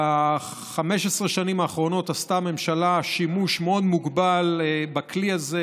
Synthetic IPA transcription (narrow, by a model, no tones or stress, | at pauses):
a | χameʃesʁeʃanimaːχʁo̞no̞tast̪ame̞mʃalaʃimuʃmeod̪muɡbalbakliaze